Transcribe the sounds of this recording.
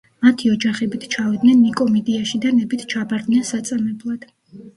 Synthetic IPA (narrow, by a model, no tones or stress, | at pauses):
mat̪ʰiɔd͡ʒaχɛbit̪ʰt͡ʃʰavid̪nɛnːikʼɔmɛd̪iaʃid̪anɛbit̪ʰt͡ʃʰabaɾd̪nɛnsat̪sʼamɛblˠad̪̥